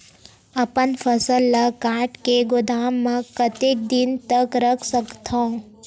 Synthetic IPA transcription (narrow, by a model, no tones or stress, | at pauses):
əpənfʰəsəlːakãːʈkeɡʊd̪aːmːãkət̪ek̚d̪ɪnt̪əkɾəkʰsəkt̪ʰõ